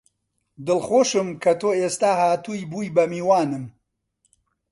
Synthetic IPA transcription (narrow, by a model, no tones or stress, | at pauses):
d̪ɨlxoːʃɨmkʰɐt̪ʰoːeːst̪aːhaːt̪ujbuːjbɐmiːwaːnɨm